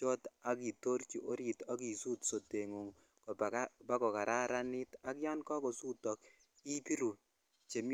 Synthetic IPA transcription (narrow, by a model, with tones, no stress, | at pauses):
t͡ʃɔ˦ta˦ki˨to˦ɾt͡ʃi˨ʔo˦ɾi˨ta˦k̬i˨su˦tso˨te˨ŋu˨ŋ | kɔ˨pa˦kɔ˨ka˨ɾʔa˦ɾa˦ni˦ta˦kja˦nkɔ˦ko˨su˦tɔ˨k | i˦pi˦ɾu˨ | t͡ʃe˨m